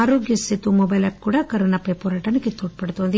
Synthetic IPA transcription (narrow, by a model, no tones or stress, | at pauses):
ɾoːɡjɐsɪt̪ːumɔbɐjlɐp̚kuːɽɐkɐɾɐnɐpːɐɪpoːɾaːʈːɐnɯkːɯt̪oːʈ̚pɐɽɯt̪ːɯʋɐnd̪ɨ